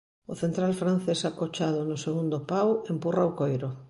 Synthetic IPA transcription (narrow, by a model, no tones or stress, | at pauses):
ʊθent̪ɾalfɾan̟θesakot͡ʃaðʊnʊseɣund̪opawempuraokojɾʊ